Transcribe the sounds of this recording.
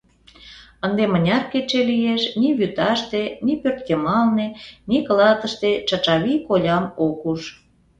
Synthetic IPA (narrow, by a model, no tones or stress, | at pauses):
ənd̪emənʲɑrket͡ʃelijeʃniβyt̪ɑʃt̪enipørt̪̚kemɑlnenikəlɑt̪ə̆ʃt̪et͡ʃɑt͡ʃɑβikolʲɑmokuʃ